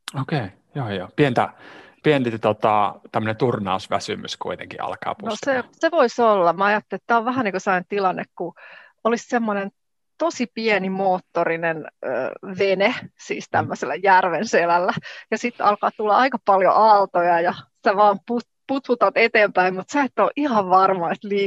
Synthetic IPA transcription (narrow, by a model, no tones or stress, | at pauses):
okei | joːjo̰ːpient̪æ̰pient̪it̪ot̪ɑ̰t̪æmːø̆net̪urnɑ̰usʋæsy̰myskṵit̪ḛŋkḭʔɑ̰lkɑ̰ːpunoseseʋoisolːɑmɑɑjɑt̪ːelit̪t̪æːoʋʋæhæniːkosɑint̪ilɑnːekku | olissemːonen | t̪osipiɛnimoːt̪ːorinenø̰ːʋenesḭːst̪æ̰mːøselːæjærʋenselælːæjɑsit̪ːɑ̰lkɑ̰ːt̪ulːɑɑikɑpɑljo̰ʔɑlt̪ojɑjɑsi̥æʋɑːmput̪ | put̪ʋut̪ɑt̪et̪eːmpæimmut̪seet̪ːoːʔihɑʋʋɑrmɑet̪liː